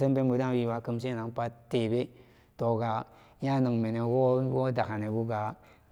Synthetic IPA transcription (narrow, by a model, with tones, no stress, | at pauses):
sə˦mpe˦nbu˨da˦wi˧wa˨kɨ˧mse˦na˨ŋpa˧tːe˨be˦ | to˨ɡa˨˦ | a˦nɨ˨ŋme˨ne˨wo˦wo˦da˨ka˨ne˨bu˦ɡa˨